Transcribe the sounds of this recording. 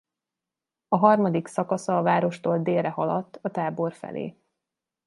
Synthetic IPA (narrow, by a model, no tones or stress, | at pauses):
ɒɦɒrmɒd̪iksɒkɒsɒːvaːɾo̞ʃt̪oːld̪eːɾɛɦɒlɒt̪ːɒt̪aːborfɛ̰lḛː